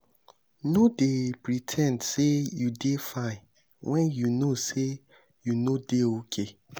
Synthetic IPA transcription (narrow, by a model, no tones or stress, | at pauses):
nodepɹitʰɛ̃ndsejudefãɪ | wʔɛ̃njunose | junodeokʰe